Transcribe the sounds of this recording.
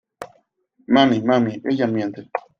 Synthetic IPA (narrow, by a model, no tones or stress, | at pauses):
mamimamiejamjɛntə